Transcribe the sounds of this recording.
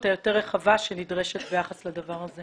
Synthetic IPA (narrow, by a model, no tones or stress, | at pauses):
t̪ajo̞teʁːeχavaʃenidʁeʃet̪bejaχaslad̪avaʁaze